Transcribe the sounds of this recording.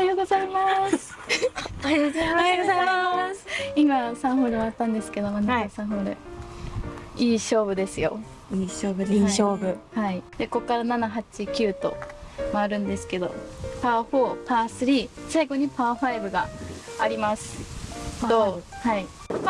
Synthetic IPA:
aioozaima | oɡozaiasimasãɰ̃ɸoːɾɯβat̪ːãnd̪e̞sɨ̥ke̞d̪o̞manakasãɦoːɾɯ̰ | iːɕo̞ːbɯ̟d̪e̞sɨjo̞ | iɕoːbɯeiɕoːbɯhaid̪̥e̞ko̞kːaɾananaɦat͡ɕikʲɨːt̪o̞̰maːɾɯ̟̃nd̪e̞sɨ̥ke̞d̪o̞̰paːɸo̞ːpaːsɨɾʲiːsaiɡo̞ɲ̟ipaːɸaibɯ̟ɡaːɾʲimasɨ̥ | d̪ohai

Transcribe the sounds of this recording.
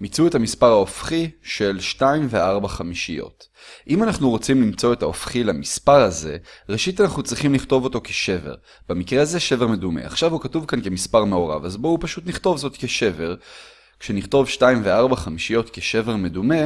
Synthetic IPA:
mit͡sue̞tamispaʁhaofχiʃe̞lʃtaimve̞aʁbaχamiʃijo̞̰t | ʔimanaχnuʁo̞t͡simlimt͡so̞e̞taofχilamispaʁaze̞ʁeʃit̪anaχnut͡sʁiχimliχt̪o̞vo̞to̞keʃe̞vḛʁ | b̥emikʁe̞aze̞ʃe̞ve̞ʁme̞dume̞̰a̰χʃavhukatuvkankemispaʁme̞o̞ʁa̰vazbo̞upaʃut̪niχt̪o̞vzo̞tke̞ʃe̞ve̞ʁ | kʃeniχt̪o̞vʃtaimveaʁbaχamiʃijo̞tke̞ʃe̞ve̞ʁme̞dume̞

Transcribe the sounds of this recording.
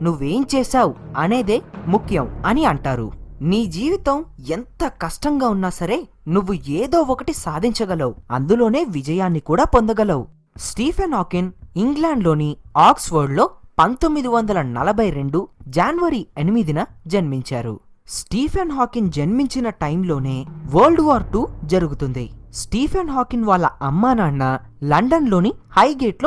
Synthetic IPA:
nuʋːe̞ːmt͡ʃɛːsaːwuɐne̞ːd̪eːmukʰjɐmɐniɐɳʈaːɾṵniːd͡ʒiːʋit̪ɐment̪ɐkɐʂʈɐŋɡaːunːaːsɐɾe̞ː | nuʋːueːd̪o̞ːɔkɐʈisaːd̪ʱiɲt͡ʃɐɡɐlɐwuɐ̰nd̪ulo̞ːne̞ːʋid͡ʒɐjaːnːikuːɽaːpo̞nd̪ɐɡɐlɐwu | sʈiːpʰenɦaːkiniŋɡlaːɳɖlo̞ːniaːksʋoːɾɖlo̞ːpɐnt̪omːid̪iʋɐnd̪ɐlɐnɐ̰lɐbʱɐjɾe̞ɳɖud͡ʒaːnʋɐɾienimid̪inɐd͡ʒɐnmiɲt͡ʃaːɾṵ | sʈiːpʰenɦaːkind͡ʒenmiɲt͡ʃinɐʈɐjmlo̞ːne̞ːʋɐːlɖʋaːɾʈːud͡ʒɐɾuɡut̪und̪isʈiːpʰenɦaːkinʋaːlːɐɐmːaːnaːnːɐ | lɐɳɖɐnlo̞ːnihɐjɡeːʈo

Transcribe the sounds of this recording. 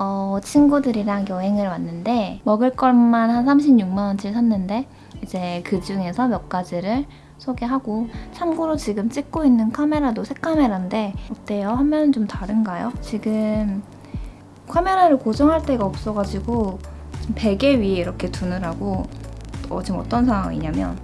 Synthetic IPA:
ʌt͡ɕʰinɡudɯɾiɾaŋjʌɦe̞ŋɯɭwanːɯnde̞mʌɡɯɭk͈ʌɭmanhansʰamɕʰimɲuk̚mant͡ɕʰiɭsʰanːɯnde̞ | id͡ʑe̞kɯd͡ʑuŋe̞sʰʌmjʌk̚k͈ad͡ʑiɾɯɭ | sʰoɡeɦaɡot͡ɕʰamɡuɾot͡ɕiɡɯmt͡ɕ͈ik̚k͈oinːɯnkʰame̞ɾadosʰekʰame̞ɾande̞ot͈e̞jʌhamjʌnnt͡ɕomtaɾɯnɡajot͡ɕiɡɯm | kʰame̞ɾaɾɯɭkod͡ʑʌŋɦaɭt͈e̞ɡaʌp̚s͈ʌɡad͡ʑiɡot͡ɕimpe̞ɡe̞ɥieiɾʌkʰe̞tunɯɾaɡo | ʌ̰t͡ɕimʌ̰t͈ʌns̬ʰawaŋḭɲamjʌ̰n

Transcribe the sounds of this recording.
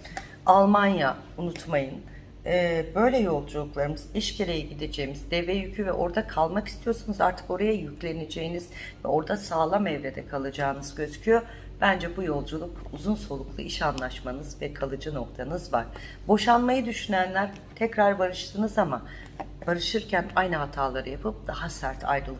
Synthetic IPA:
alˠmanja | unut̪majɯn | ɛːbø̞jlʲɛjo̞lˠd͡ʒulˠuklˠaɾɯmɯziʃcʰeɾejiɟid̪ed͡ʒe̞jimizd̪ɛvɛjycʰyvɛʔo̞ɾd̪akʰalˠmaki̥st̪ʰijo̞ɾsunuza̰ɾt̪ʰɯ̥ko̞ɾajajyclʲe̞ne̞d͡ʒe̞jiniz̥ | vɛ̰o̞ɾd̪asaːlˠamɛvɾe̞d̪ɛkʰalˠad͡ʒaːɯnɯzɟø̞zycʰyjo̞ | b̥ænd͡ʒɛbujo̞lˠd͡ʒulˠukuzunso̞lˠuklˠṵʔiʃanlˠaʃmanɯzvɛkʰalˠɯd͡ʒɯno̞k̚t̪ʰanɯzvaɾ̥ | bo̞ʃanmajɯd̪yʃynænlʲæɾ | t̪ʰɛcɾaɾbaɾɯʃt̪ʰɯnɯzama | b̥aɾɯʃɯɾcʰænajnɯɦat̪ʰaːlˠaɾɯjapʰɯp̚d̪̥ahasæɾt̪ʰa̰jɾɯlˠ

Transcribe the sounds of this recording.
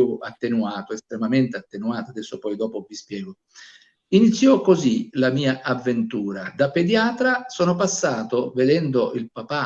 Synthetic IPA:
uat̪ːenuaːt̪oest̪ɾemament̪eat̪ːenuaːt̪ad̪ɛsːopɔjd̪ɔːpovispjɛːɡo | init̪sːjɔkozilamiːaʔavːent̪uːɾad̪apːed̪jaːt̪ɾasɔːnopasːaːt̪oved̪ɛnd̪oʔilpapa

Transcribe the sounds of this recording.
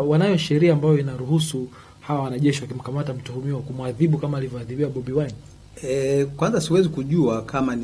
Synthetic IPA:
wanajɔʃɛɾiaːmbajɔinaɾuhusu | hawawanaʄɛʃiwakim̩kamatam̩tuhumiawakumwaðiɓukamaːlivjɔaðiɓiwaɓɔɓiwani | ɛkwanzasiwɛzikuʄuakʰaman

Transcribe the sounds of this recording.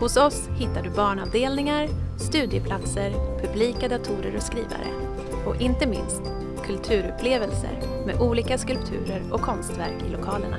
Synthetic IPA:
hʊsɔshɪt̪ːaɖɵbɑːɳavd̪eːlnɪŋaɾst̪ʉ̟ːd̪jəpʰlat̪səɾpʰɵbliːkad̪at̪ʰuːɾəɾɔskɾiːva̰ɾə̰ | ɔʔɪnt̪əmɪ̰nst̪ | kʰɵlt̪ʰʉ̟ːɾɵpʰleːvəlsə̰ɾ | mḛʔuːliːkaskɵlpt̪ʰʉ̟̰ːɾəɾɔkʰːɔnst̪væɾkɪlʊkʰɑːləɳa̰

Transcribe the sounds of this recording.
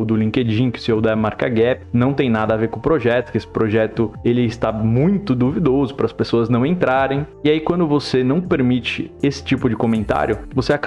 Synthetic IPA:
d̪ʊlĩked͡ʒĩkɪ̥sɪowd̪amaɾkɐɡɛpɪnɐ̃w̃t̪ẽj̃nad̪ɐaveɾkõʊpɾoʒɛt̪ʊkɪesɪ̥pɾoʒɛt̪ʊelɪːst̪amũj̃t̪ʊd̪uvid̪ozʊpɾɐspesoɐznɐ̃w̃ẽnt̪ɾaɾẽj̃iaikwɐ̃nd̪ʊvosenɐ̃w̃peɾmit͡ʃɪesɪ̥t͡ʃipʊd͡ʒɪkomẽnt̪a̰ɾjʊvoseak

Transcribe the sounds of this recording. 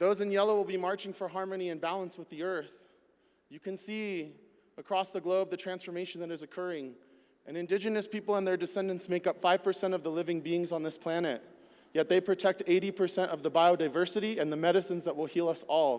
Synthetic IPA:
ðoʊzɨ̃njɛlˠoʊwəlˠbimɑɹt͡ʃɪ̃ŋfə˞ɦɑɹmɨniɨ̃nbælˠə̃nswəðiɜ˞θ | jɨkʰɨ̃nsi | əkʰɹ̥ɔsðəɡloʊb̚ðɨtʰɹ̥æ̃nsfə˞meɪʃn̩ðɨɾɨzɨkʰɜ˞ɪ̃ŋ | ʔɨ̃nɨ̃ndɪd͡ʒɨnɨspipl̩ˠə̃nðə˞dɨsɛ̃ndɨ̃ntsmeɪkʌpfaɪv̥pʰə˞sɛ̃ɾ̃ʌvðəlɪvɪ̃ŋbiɪ̃ŋzn̩ðɪspʰl̥ænɨt̚ | jɛt̪̚ðeɪpʰɹ̥ɨtʰɛk̚teɪɾipʰə˞sɛ̃ɾ̃tʌvðəbaɪoʊdaɪvɜ˞sɨɾiɨ̃nðɨmɛɾɨsɨ̃nzðət̚wəlˠhilˠʌsɔlˠ

